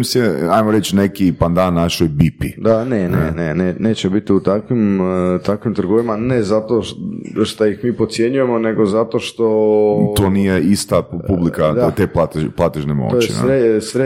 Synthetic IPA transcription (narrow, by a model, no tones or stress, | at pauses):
mseajmoɾet͡ʃnekipand̪anːaʃojbipid̪anenḛneneneːt͡ɕebit̪iut̪akʋimt̪akʋimt̪ɾr̩ɡoʋimanezat̪oʃt̪ajixmiːpɾot̪sje̞ɲujemo̞ne̞ɡozat̪oʃt̪o̞t̪oːnijeist̪apublikad̪t̪eplat̪plˠat̪eʒnemo̰ojt͡ʃeḭɾesɾe